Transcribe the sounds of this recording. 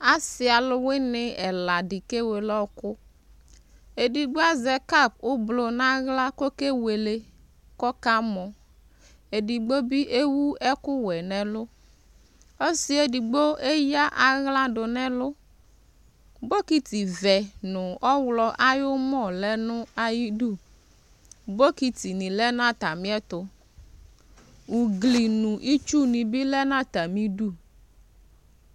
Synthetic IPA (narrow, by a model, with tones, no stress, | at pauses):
a˦sɪ˨a˨lʊ˦we˦nɪ˦ɛ˨la˨di˨ke˦we˨lɔ˦kʊ˦ | e˨di˨ɡ͡bo˦a˦zɛ˨ka˦˨p̚ʊ˦blo˨nã˦ɣla˦ko˦ke˦we˨le˦ | kɔ˦ka˦mɔ˨ | e˨di˨ɡ͡bo˦bi˦ʔe˦wu˦ɛ˦kʊ˦wɛ˨nɛ̃˨lʊ˦ | o˦sɪ˦e˦di˨ɡ͡bo˦e˦ja˦ʔa˨ɣlã˦ɖʊ˨nɛ̃˦lʊ˦ | bo˦ki˦t̪i˨vɛ˨nʊ̃˨ɔ˦wlɔ˦ʔa˦jʊ˦mɔ̃˦˨lɛ˦nʊ̃˦a˨ji˦du˦˨ | bo˦ki˦t̪i˨nĩ˨lɛ˦nã˦t̪a˨mĩ˦ɛ˦t̪ʊ˨ | wu˨ɡli˨nũ˨ʔi˦t͡ʃu˦nĩ˨bi˦lɛ˦nã˦t̪a˨mĩ˦ɖu˦